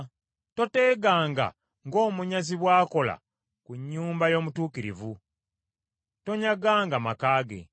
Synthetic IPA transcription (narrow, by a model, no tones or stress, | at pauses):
to̞te̞ːɡaːŋɡa̰ | ŋɡo̞ːmuɲaziβwaːko̞la̰ | kuɲːuːmbajo̞ːmutuːkiɾḭvu | to̞ɲaɡaːŋɡamakaːɡe̞̰